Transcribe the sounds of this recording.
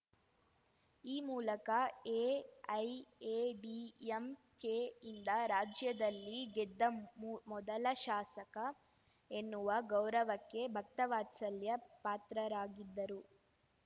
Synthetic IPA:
iːmuːlɐkɐeːɐjeːɖiem | keind̪ɐɾaːd͡ʒjɐd̪ɐlːiɡɛd̪ːɐmɔd̪ɐlɐʃaːsɐkɐ | enːuʋɐɡɐwɾɐʋɐkːe̞bʱɐk̚t̪ɐʋaːt̪sɐljɐpaːt̪ɾɐɾaːɡid̪ːɐɾu

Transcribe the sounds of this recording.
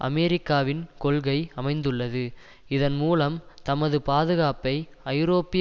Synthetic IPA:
ʔɐ̰mɛɾɪkːaːʋɪnkɔɭɣɐɪɐmɐɪnd̪ɯɭːɐðɯ | ɪðɐnmuːlɐmt̪ɐmɐðɯpaːðɯɣaːpɐɪ | ɐɪjɾoːpːɪ

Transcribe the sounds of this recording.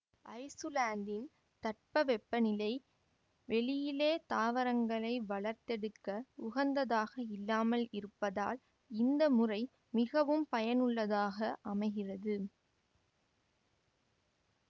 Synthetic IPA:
ʔɐɪsɯlaːnd̪ɪn | t̪ɐʈ̚pɐʋɛpːɐnɪlɐɪ | ʋɛɭɪjɪleːt̪aːʋɐɾɐŋɡɐɭɐɪʋɐɭɐɾt̪ɛɽɯkːɐʊɣɐnd̪ɐðaːɣɐɪlːaːmɐlɪɾɯpːɐða̰ːl | ɪnd̪ɐmʊrɐɪ | mɪɣɐʋɯmpɐjɐnɯɭːɐðaːɣɐʔɐmɐɪɣɪrɐðɯ

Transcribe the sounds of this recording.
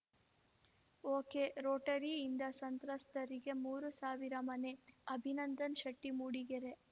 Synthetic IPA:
oːkeɾoːʈɐɾiːnd̪ɐsɐnt̪ɾɐst̪ɐɾiɡe̞muːɾusaːʋiɾɐmɐneɐbʱinɐnd̪ɐnʃɐʈːimuːɽiɡeɾe

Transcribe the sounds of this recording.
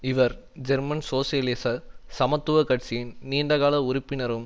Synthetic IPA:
ɪʋɐɾ | d͡ʒɛɾmɐnsoːsiɐlɪsɐsɐmɐt̪ːɯʋɐkɐʈt͡ʃɪjɪnniːɳɖɐɣaːlɐʊɾɪpːɪnɐɾɯm

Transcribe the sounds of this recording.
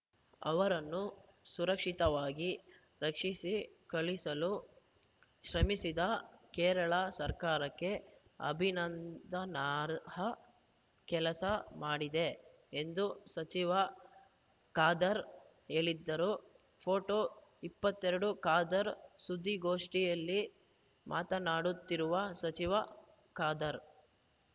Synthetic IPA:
ɐ̰ʋɐɾɐnːu | suɾɐkʂit̪ɐʋaːɡi | ɾɐkʂisikɐɭisɐlu | ʃɾɐmisid̪ɐkɛːɾɐɭɐsɐɾkaːɾɐkːe̞ɐ̰bʱinɐnd̪ɐnaːɾɦɐ | kɛlɐsɐmaːɽid̪e̞ | end̪usɐt͡ʃiʋɐ | kaːd̪ɐɾ | e̞ːɭid̪ːɐɾu | pʰoːʈoːipːɐt̪ːɛɾɐɽukaːd̪ɐɾsud̪ʱːiɡoːʂʈijɐlːi | mʔa̰ːt̪ɐnaːɽut̪ːiɾuʋɐsɐt͡ʃiʋɐ | kaːd̪ɐɾ

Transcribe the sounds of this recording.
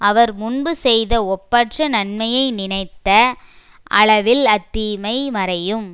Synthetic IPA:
ɐʋɐɾmʊɳbɯsɛjðɐɔpːɐʈrɐnɐnmɐjɐɪnɪnɐɪt̪ːɐ | ʔɐ̰ɭɐʋɪlɐt̪ːimɐɪmɐɾɐjɯm

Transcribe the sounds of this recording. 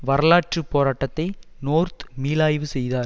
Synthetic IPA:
ʋɐɾɐlaːʈt͡ʃɯpːoːɾaːʈːɐt̪ːɐɪnoːɾt̪miːlaːjʋɯsɛjðaːɾ

